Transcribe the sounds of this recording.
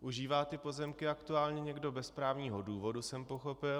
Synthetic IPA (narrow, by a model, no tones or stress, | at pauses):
ʔuʒiːvaːt̪ɪpo̞zɛmkɪakt̪uaːlɲɛɲɛɡdo̞bɛspɾaːvɲiːɦoduːvo̞dusɛmpo̞xo̞pɪ